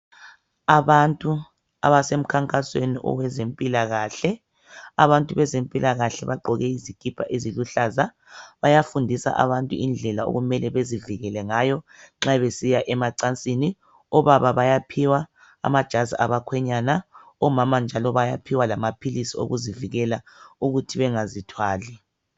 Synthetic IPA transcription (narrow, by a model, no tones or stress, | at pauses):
aβantʼu | a̰βasem̩kʰaŋkʼasweniʔɔ̰wɛzempʼilaɣaːɬɛ | aβantʼuβɛzempʼilaɣaɬɛβaɡ͡ǃɔɣɛizikʰʼipʰa̰ʔeziluɬaza | βajafundʱisa̰ʔa̰βantʼuind͡ɮʱɛlao̰ɣumɛlɛβeziviɣɛlɛŋajɔŋ͡ǁaβesijaʔɛmaǀant͡sʼini | ɔβaβaβajapʰiwa | a̰mad̥ʒ̥ʱaziaβakʰwɛɲana | ɔmamand͡ʒʱalɔβajapʰiwalamapʰilisio̰ɣuziviɣɛla | uɣutʰiβɛŋazitʰwaːlɛ